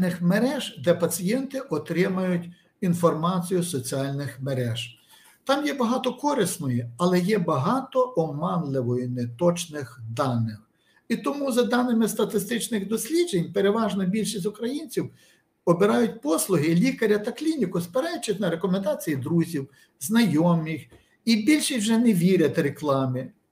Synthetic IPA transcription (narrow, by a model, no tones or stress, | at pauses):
nɪxmeɾɛʒd̪ɛpɐt͡sʲijɛnt̪ɪʔɔt̪ɾɪmɐjʊtʲ | infɔrmɑt͡sʲijʊsɔt͡sʲiɑlʲnɪxmeɾɛʒ̥ | t̪ɑmjɛbɐɦɑt̪ɔkɔɾɪsnɔjiɐlˠɛjɛbɐɦɑt̪ɔʔɔmɑnlˠɪʋɔjʊnɛt̪ɔt͡ʃnɪxd̪ɑnɪx | it̪ɔmuzɐd̪ɑnɪmɪst̪ɐt̪ɪst̪ɪt͡ʃnɪɣd̪ɔsʲlʲid͡ʒenʲpeɾeʋɑʒnɔbʲilʲʃisʲt̪ʲʊkɾɐjinʲt͡sʲiw | ɔbeɾɑjʊtʲpɔslˠʊɦɪlʲikɐɾʲɐt̪ɐklʲinʲikʊspeɾɛjt͡ʃːɐt̪ʲnɐɾekɔmend̪ɑt͡sʲijid̪ɾuzʲiw | znɐjɔmix | ibʲilʲʃisʲwʒɛneʋʲiɾʲɐt̪ʲɾeklˠɑmɪ